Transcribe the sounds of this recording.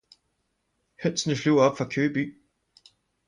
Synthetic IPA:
høn̰snəfluɒ̽b̥fʁɑ̈kʰøːb̥y̰ː

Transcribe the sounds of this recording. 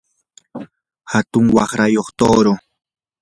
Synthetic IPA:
hat̪ʊŋwɑχɾajoχt̪oːɾo

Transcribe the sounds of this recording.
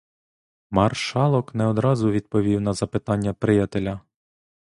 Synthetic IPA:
mɑrʃɑlˠɔknɛɔd̪ɾɑzʊʋʲid̪̚pɔʋʲiwnɐzɐpɪt̪ɑnʲːɐpɾɪjɑt̪elʲɐ

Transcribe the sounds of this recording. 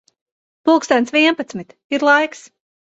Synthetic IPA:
pulˠkst̪ɛnt̪sviɛnpat̪smit̪ | iɾlˠajks

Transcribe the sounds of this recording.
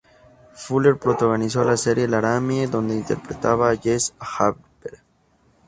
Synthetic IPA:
fuleɾpɾot̪aɣonis̬olaseɾjelaɾamjeðo̞nd̪eint̪eɾpɾet̪aβaʝesxabbeɾ

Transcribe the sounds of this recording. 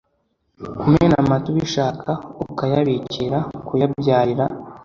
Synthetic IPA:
kumenamatuβiʃaːkʰaukajaβiciɾakujabjaːɾiɾa

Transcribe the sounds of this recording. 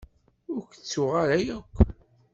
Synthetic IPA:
ʊɾkt͡sːʊʁaɾajækʷː

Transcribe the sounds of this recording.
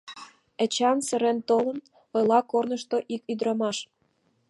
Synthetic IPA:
ə̆t͡ɕɑnsə̆ɾent̪olən | ojlɑkornəʃt̪oʔikyd̪ɾɑmɑʃ

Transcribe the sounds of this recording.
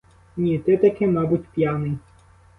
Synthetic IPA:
nʲit̪ɪt̪ɐkɪmɑbutʲpʲjanɪj

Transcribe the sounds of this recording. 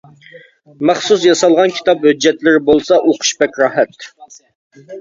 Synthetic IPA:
mæχsus̬jɑsɑlˠʁɑnkʲʰi̥t̪ɑphød͡ʒːɛt̪lɪɾɪbolˠsɑʔoqʰʊ̥ʃbɛkʲɾɑːɦɛt̪

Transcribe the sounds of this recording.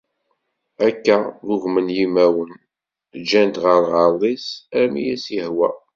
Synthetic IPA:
ækːæðʊʝmənjimæwən | d͡ʒænt̪ʁəɾʁɑlˤisæɾmijæsjəhwæ

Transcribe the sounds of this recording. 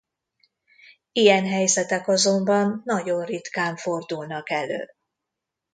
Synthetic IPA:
ijɛnɦɛjzɛt̪ɛkɒzo̞mbɒnːɒɟo̞nrit̪kaːɱfo̞rd̪ulnɒkɛlø̰ː

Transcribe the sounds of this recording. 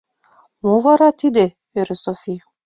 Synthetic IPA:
movɑɾɑt̪id̪e | øɾɘsofʲi

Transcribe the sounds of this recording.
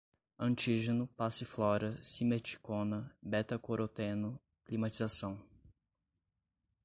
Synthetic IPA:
ɐ̃nt͡ʃiʒenʊpasɪflɔɾɐsimet͡ʃi̥kõnɐbɛt̪ɐkoɾot̪ẽnʊ | klimat͡ʃizasɐ̃w̃

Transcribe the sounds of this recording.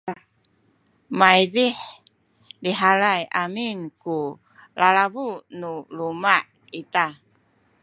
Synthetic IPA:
majdih | diɦalajʔaminku | lalabunulumaʔ | it̪a

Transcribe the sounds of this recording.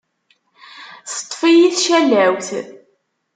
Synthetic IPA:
sə̥t̪ˤːfijiθʃælæwθ

